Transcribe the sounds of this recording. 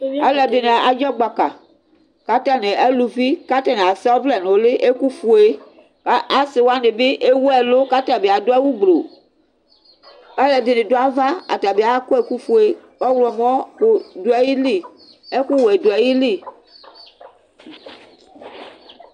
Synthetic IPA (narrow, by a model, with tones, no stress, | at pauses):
a˦lɛ˨de˨ne˨a˨d͡ʒɔ˦ɡ͡ba˨ka˨ | ka˦t̪a˦ne˨e˦lu˨vi˦ka˦ta˦nẽ˨a˨sɛ˦wɔ˦vlɛ˨ne˨o˦le˦ʔe˦ku˦fu˨e˦ | a˦a˦se˨wo˦a˦ne˨be˦ʔe˦wu˦ɛ˨lo˦ka˦ta˦˨be˨a˨do˦ɛ˦wu˦ɡ͡blo˨ | a˦lɛ˨de˨nẽ˨do˦a˦va˦a̰˨ta˨be˨a˨˦ko˦e˨ku˦fu˦e˦wɔ˦wlɔ˨m˦ɔ˦xo˦do˦ɛ˦ji˦li˦˨ | e˦ku˦wo˨e˨do˨ɛ˨ji˦li˦˨